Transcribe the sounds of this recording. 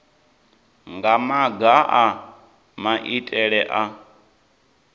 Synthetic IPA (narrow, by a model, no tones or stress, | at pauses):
ŋɡamaɡaʔa | maʔitʼɛɺɛʔa